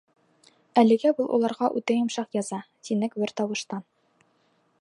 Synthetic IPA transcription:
ælɘ̆ɡæbulˠʔṵlˠɑɾʁɑʔʉt̪æjɤ̆mʃɑqjɑzɑt̪inɘkbɘɾt̪ɑwɤ̆ʃt̪ɑ

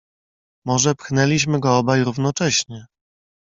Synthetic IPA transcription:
mɔʐɛpxnɛlʲiɕ̬mɘɡɔɔbajɾuvn̪ɔt͡ʂɛɕɲɛ

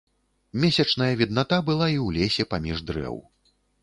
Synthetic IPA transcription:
mʲesʲɐt͡ʂnɐjɐvʲid̪nat̪abɨlˠaiwlʲesʲɛpamʲiʐd̪ɾɛ̰w

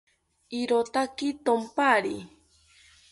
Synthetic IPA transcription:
iɾot̪akit̪ompaɾi

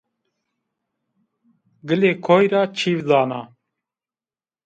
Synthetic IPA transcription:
ɡəleːkʰoːjɾɑːt͡ʃʰiːvzɑːnɑː

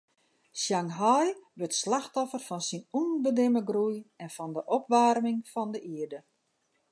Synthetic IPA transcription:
sjaŋɦɔjʋøtslaxtɔfərfɔnsinunbədɪməɡrujɛnfɔndəʔɔpʋaːrmɪŋfɔndəʔiədə

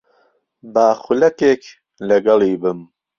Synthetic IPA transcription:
baːxʊlɐkeːk | lɐɡɐliːbɨm

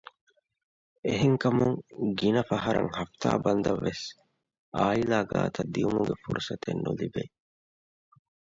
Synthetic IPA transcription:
eɦeŋkɐmuŋɡinɐfɐɦɐɾɐ̰ŋhɐft̪aːbɐnd̪ɐʋːes | aːilaːɡa̰ːt̪ɐd̪ijumuɡefuɾusɐt̪enːulibe

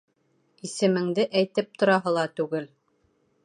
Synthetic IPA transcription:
isɘ̆mɘ̆ŋd̪ɘʔæjt̪ɘp̚t̪ŏɾɑɦɤlˠɑt̪ʉɡɘl

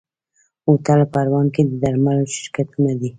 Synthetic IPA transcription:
ot̪alpaɾwɑnked̪əd̪aɾmaloʃɪ̥ɾkat̪unad̪i

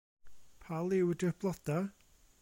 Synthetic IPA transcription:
pʰalˠɪwdərb̥ʰlˠɔd̥a

